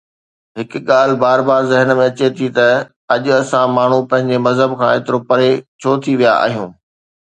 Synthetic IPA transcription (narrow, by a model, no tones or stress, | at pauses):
ɦɪkɠaːl̤baːɾbaːɾzɪɦənmẽɐt͡ɕet̪ʰit̪ɐ | ɐʄʊɐsãmaːɳ̤upɐ̃ɦɪ̃ɲd͡ʑemɐzɦəbkʰãːeːt̪ɪɾopɐɾet͡ɕʰoːt̪ʰiʋija̰a̰ːɦijũː